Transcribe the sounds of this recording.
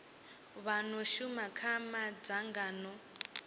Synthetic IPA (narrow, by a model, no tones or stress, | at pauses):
βanoʃumakʰamad͡zaŋɡaːnɔ